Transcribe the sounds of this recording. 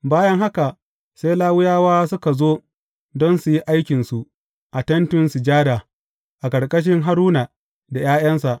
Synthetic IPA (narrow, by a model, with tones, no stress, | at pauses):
baː˦jɐ˦ŋɦa˦ka˨ | se˦jlaː˦wʊ˦jaː˦waː˦sʊ˦ka˨zoː˦ | dɔ˦nsu˨ji˦ʔa˦jkʲɪ˨nsu˨ʔ | ʔa˨tɐ˦ntʊ˦nsu˨d͡ʒaː˦daː˨ | ʔa˨kɐ˨ɽkʼɐ˦ʃ̬ɪ˦ŋɦa˦ɾuː˦na˨ | da˨jaː˦j̰ɐ˦nsa˨ʔ